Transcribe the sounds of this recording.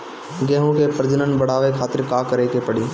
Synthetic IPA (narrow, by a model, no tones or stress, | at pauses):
ɡɛːɦõkepɾd͡ʒənənbɐɽ̤aːʋekʰaːt̪ɪɾkaːkəɾeːkepəɽiː